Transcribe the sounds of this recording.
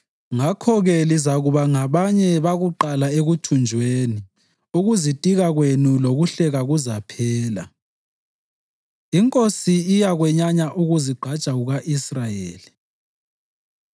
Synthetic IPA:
ŋakʰɔɣɛlizaɣuβaŋaβaɲɛβaɣuǃalaeɣutʰund͡ʒʱweni | uɣuzitʼiɣaɣwenuloɣuɬɛɣaɣuzapʰɛːla̰ | iŋkʼosiːjaɣwɛɲaɲaʔuɣuziɡ͡ǃʱat͡ʃʼaɣuɣaʔisrajḛːli

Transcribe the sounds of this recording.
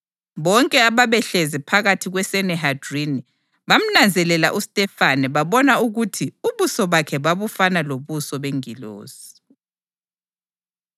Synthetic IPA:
βɔŋkʼɛaβaβɛɬɛzɛpʰaɣatʰiɣwɛsɛnɛɦad̥rini | βam̩nand͡zʱɛlɛla̰ʔustʼɛfanɛβaβɔnauɣutʰiuβusɔβakʰɛβaβufanaloβusɔβeŋilo̰ːz̥i̥

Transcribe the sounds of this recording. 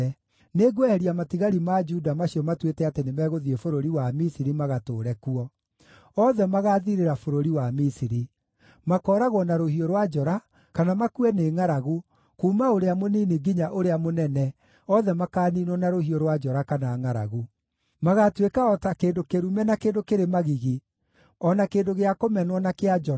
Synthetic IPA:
ɛ | neɡwɛhɛɾiamatiɣaɾimad͡ʒudamaɕiɔmatwetɛatenemɛːɣoðiefoɾoɾiwamisiɾimaɣatoːɾɛkuɔ | ɔðɛmaɣaːðiɾeɾafoɾoɾiwamisiɾi | makɔːɾaɣwɔnaɾohioɾwad͡ʒɔɾa | kanamakuɛneːŋaɾaɣu | kuːmaoɾeamoniːniɡiɲaʔoɾeamonɛnɛ | ɔðɛmakaːninwɔnaɾohioɾwad͡ʒɔɾakanaːŋaɾa̰ɣu | maɣatwekaɔtakeːndokeɾumɛnakeːndokeɾemaɣiɣi | ɔnakeːndoɣeakomɛnwɔnakead͡ʒɔ

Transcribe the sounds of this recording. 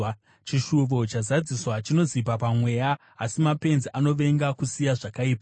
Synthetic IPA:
t͡ʃiʃuʋo̞t͡ʃazad͡ziswat͡ʃino̞zip̬apamwe̞jaː | simape̞nziʔano̞ʋe̞ŋɡakusijaʐakaiːpa

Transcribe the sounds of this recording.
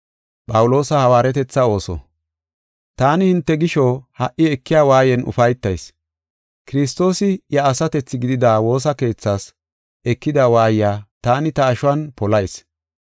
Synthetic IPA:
pʼɐwʊlo̞ːsɐhɐwaːɾɛt̪ɛt͡sːɐo̞ːsɔ̰ | t̪aːnɪhɪnt̪ːɛɡɪʃohɐʔɪɛkːɪjaːwaːjɛnʔʊ̰fɐjt̪ːɐjs | kɪɾɪs̬t̪ːo̞ːsɪjɐːsɐt̪ɛt͡sːɪɡɪd̪ɪd̪aːwo̞ːs̬ɐke̞ːt͡sːaːs | ɛkːɪd̪awaːjjaːt̪aːnɪt̪ɐːʃʊɐnpɔlɐjs

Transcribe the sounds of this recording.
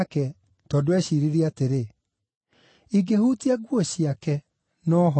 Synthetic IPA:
kɛ | tɔːdowɛɕiɾiɾiateɾe | iɡehutiaɡwɔɕiakɛ | nɔːɦɔ

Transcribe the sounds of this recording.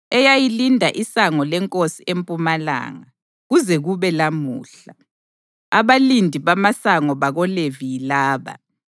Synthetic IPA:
ɛjajilindʱaʔisaŋɔlɛŋkʼosiempʼumala̰ːŋa | ɣuzɛɣuβɛlamṵːɬa | aβalindʱiβamasaŋɔβaɣɔlevijilaːβa̰

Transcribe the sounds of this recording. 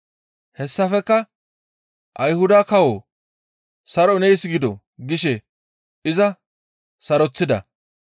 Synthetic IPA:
hɛsːɐfɛkːɐ | ʔɐjhʊd̪aːkɐwoː | sɐɾɔnɛjsɡɪd̪ɔ̰ | ɡɪʃɛ | ʔɪzɐ | sɐɾɔt͡sːɪd̪ɐ̰

